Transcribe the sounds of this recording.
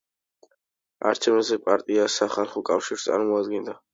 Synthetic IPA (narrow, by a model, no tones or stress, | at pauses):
a̰ɾt͡ʃʰɛvnazɛpʼaɾt̪ʼiasaχalˠχɔkʼafʃiɾst̪sʼa̰ɾmɔad̪ɡɛnd̪a